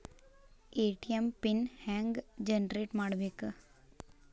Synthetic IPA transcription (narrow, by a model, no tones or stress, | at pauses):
eʈijempinhɛ̃ŋɡd͡ʒənɾeʈmaɽʋek